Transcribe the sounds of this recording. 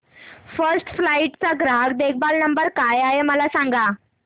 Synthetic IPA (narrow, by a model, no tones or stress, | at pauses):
fəɾsʈflaiʈt͡saɡɾaɡd̪ek̚ʰbalnəmbəɾkajaɦeməlasaŋɡa